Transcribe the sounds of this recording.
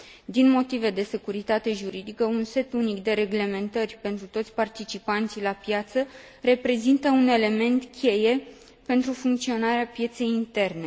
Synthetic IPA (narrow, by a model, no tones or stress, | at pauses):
d̪inmo̞t̪ive̞d̪e̞se̞kuɾit̪at̪e̞ʒuɾid̪ikəunse̞t̪unikd̪e̞ɾe̞ɡle̞me̞nt̪ərʲpe̞nt̪ɾut̪o̞t̪sʲpart̪it͡ʃipant̪silapjat̪sə | re̞pɾe̞zint̪əune̞le̞me̞nt̪kʲe̞je̞ | pe̞nt̪ɾufuŋk̚t̪sio̞naɾeapje̞t̪se̞jint̪e̞rne